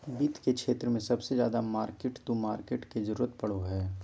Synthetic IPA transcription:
bit̪kekʃeːt̪ɾəmẽsɐbsezja̰ːd̪amaːɾkeːʈt̪omaːɾkeːʈked͡ʒɐɾuːɾət̪̚pɐɽoɦɛː

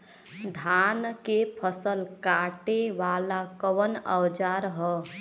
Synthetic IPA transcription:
d̪ʱankepʰəsəlkaʈeʋaːlakəʋənəwd͡ʒaɾɦɔ

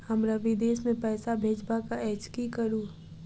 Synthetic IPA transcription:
hɐmɾaʋid̪eːsmẽpɛːsabʱeːd͡ʒbakaɛːt͡ʃkikəɾuː

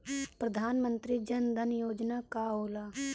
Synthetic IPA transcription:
pɾəd̪ʱaːnmə̃nt̪ɾid͡ʒənd̪ʱənjoːd͡ʒnakaɦoːlaː

